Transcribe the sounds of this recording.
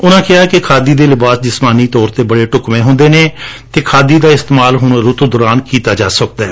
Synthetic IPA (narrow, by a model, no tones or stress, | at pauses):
ʊnãːkɪaːkɪkʰaːd̪iːd̪eːlɪbaːsd͡ʒɪsmaːniːt̪ɔːɾt̪eːbəɽeːʈʊkmẽːɦʊ̃nd̪eːnẽːt̪eːkʰaːd̪iːd̪aːɪst̪ːmaːlɦʊɳɾʊt̪d̪ʊɾaːnkiːt̪aːd͡ʒaːsək̚d̪aɛː